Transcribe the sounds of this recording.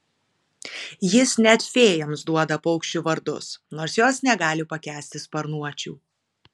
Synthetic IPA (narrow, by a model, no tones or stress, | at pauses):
jɪsnʲɛt̪fʲeːjɛmsd̪uɔd̪ɐpɔʊkʃʲt͡ʃʲuʋɐɾd̪ʊ̰snoːɾsjoːsnʲɛɡɑːlʲɪpɐkʲæːsʲt̪ʲɪspɐɾnuɔt͡ʃʲṵː